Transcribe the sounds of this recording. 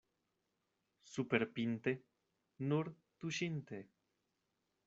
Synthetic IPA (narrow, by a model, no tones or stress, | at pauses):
supeɾpint̪e | nuɾ | t̪uʃint̪e